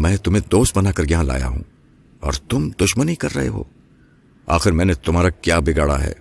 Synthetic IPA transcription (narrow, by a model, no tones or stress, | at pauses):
mɛ̃ːt̪ʊmẽd̪oːst̪̚bɐnaːkɐɾjɐɦãla̰ːja̰ɦṵ̃ː | ɔːɾt̪ʊmd̪ʊʃmənikɐɾːɐ̰ɦḛɦo̰ː | aːxɪɾmɛ̃ːnet̪ʊmɦaːɾakjaːbɪɡaːɽa̰ɦɛ̰ː